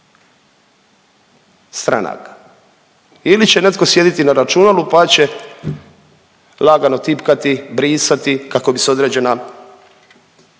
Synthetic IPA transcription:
st̪ɾa̰na̰k | ilit͡ɕene̞t̪ko̞sje̞d̪it̪inaɾat͡ʃunalupat͡ɕe̞ | laɡano̞t̪ipkat̪ibɾiːsat̪ikako̞biseo̞d̪ɾe̞ːd͡ʑe̞na

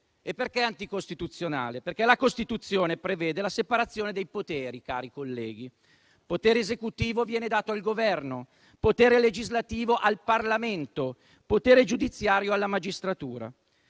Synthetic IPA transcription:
epːerkɛant̪ikost̪it̪ut̪sːjona̰ːleperkɛlakost̪it̪ut̪sːjoːnepɾeveːd̪elasepaɾat̪sːjoːned̪ejpot̪eːɾika̰ːɾikolːɛːɡi | pot̪eːɾezekut̪iːvovjɛːned̪aːt̪oalɡovɛrno | pot̪eːɾeled͡ʒizlat̪iːvoʔalparlament̪o | pot̪eːɾed͡ʒud̪it̪sːjaːɾjoalːamad͡ʒist̪ɾat̪uːɾa̰

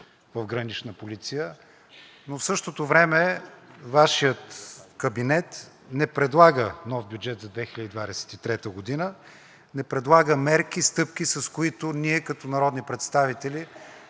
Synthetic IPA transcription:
vɐvɡɾənit͡ʃnəpolit̪sijə | nofsɤʃt̪ot̪ovɾɛmɛvaʃijət̪kəbinɛt̪ | nɛpɾɛd̪lˠaɡənɔfbʲjud͡ʒɛt̪zɐd̪vɛxilʲəd̪id̪vad̪ɛsɛ̥t̪it̪ɾɛt̪əɡod̪inə | nɛpɾɛd̪lˠaɡəmɛɾk̟ist̪ɤp̚k̟isɐskoit̪ʊniɛkɐt̪ɔnɐɾɔd̪nipɾɛt̪st̪avit̪ɛli

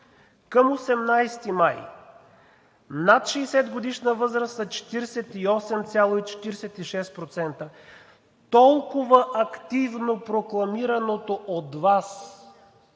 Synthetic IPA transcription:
kəmosɛmnajst̪imaj | nat̪ʃɛːsɛd̪ɡod̪iʃnəvɤzɾəst̪ɐt͡ʃɛ̥t̪iɾsɛt̪iɔsɛmt̪sʲalˠoit͡ʃɛ̥t̪iɾɛsɛt̪iʃɛst̪pɾot̪sɛnt̪ə | t̪ɔlˠkʊvəʔɐkt̪ivnopɾoklˠɐmiɾɐnot̪oʔod̪vas

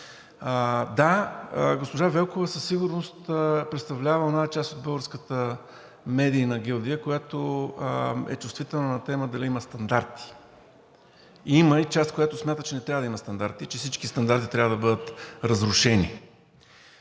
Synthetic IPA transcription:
əd̪aɡospoʒavɛlˠkovəsəsːiɡʊɾnost̪əpɾɛt̪st̪ɐvlʲavəɛnat͡ʃast̪od̪̚bɤlˠɡəɾskət̪ə | mɛd̪iːnɐɡʲɛlˠd̪iəkojat̪o | ɛ̰t͡ʃust̪vit̪ɛlˠnonɐt̪ɛməd̪ɐliiməst̪ɐnd̪aɾt̪i̥ | iməit͡ʃast̪̚kojat̪osmʲjat̪ət͡ʃɛnɛt̪ɾʲavəd̪ɐiməst̪ɐnd̪aɾt̪it͡ʃɛfsit͡ʃkist̪ɐnd̪aɾt̪it̪ɾʲavəd̪əbɤd̪ət̪ɾəzɾʊʃɛnḭ

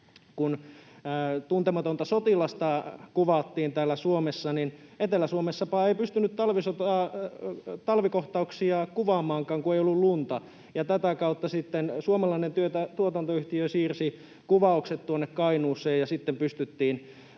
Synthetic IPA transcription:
kunː | t̪unt̪emɑt̪ont̪ɑsot̪ilɑst̪ɑkuʋɑt̪ːiːnt̪æːlːæsuomesːɑninet̪elæsuomesːɑpɑːeipyst̪ynyt̪t̪ɑlʋisot̪ɑː | t̪ɑlʋikoht̪ɑuksiɑkuʋɑːmɑːŋkɑːŋkuejolːullunt̪ɑ | jɑt̪æt̪ækɑut̪ːɑsit̪ːensuomɑlɑinent̪yøt̪æt̪uot̪ɑnt̪oyht̪iøsiːrsi | kuʋɑˑukset̪t̪uonːekkɑinuːsˑeːjɑsit̪ːempyst̪yt̪ːiːn

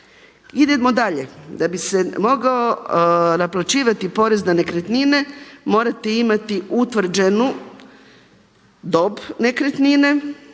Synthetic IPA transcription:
id̪emo̞d̪aʎed̪abise̞mo̞ɡao̞naplat͡ʃiːʋat̪ipo̞ɾe̞znane̞kɾet̪nine̞mo̞ːɾat̪eimat̪iʔut̪ʋr̩d͡ʒenu | d̪o̞bne̞kɾet̪nine

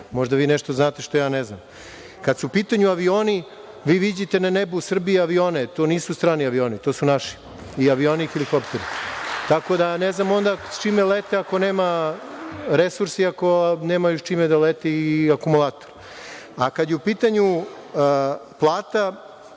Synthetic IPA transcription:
mo̞ʒd̪aʋiːneʃt̪oznaːt̪e̞ʃt̪o̞jaːneznam | kad̪suupiːt̪aɲuaʋioːni | ʋiːʋid͡ʑit̪e̞nanebusr̩biiaʋioːnet̪o̞ːniːsust̪ɾaːniaʋio̞ːnit̪osunaʃi̥ | iaʋioːnixilikopt̪eɾit̪ako̞d̪aneznamo̞nd̪at͡ʃimelet̪eako̞neːma | ɾesuɾsiako̞neːmajoʃt͡ʃimed̪alet̪ɛiakumulˠaːt̪oɾ | akad̪jeupiːt̪aɲu | plˠaːt̪a

